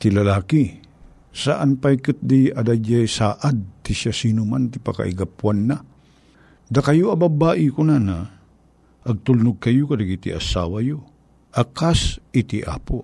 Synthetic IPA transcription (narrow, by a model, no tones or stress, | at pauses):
t̪ilɐlaːki | saʔanpajkɨt̪̚d̪iʔɐd̪ad͡ʒajsaʔad̪̚t̪isjasiːnʊmant̪ipaka̰ʔḭɡapwanːa | d̪akajoɐbabaːʔikonana | ʔɐɡ̚t̪ulnʊɡ̚kɐjokɐd̪aɡit̪ḭʔa̰sa̰ːwajo | ʔakasit̪iʔa̰po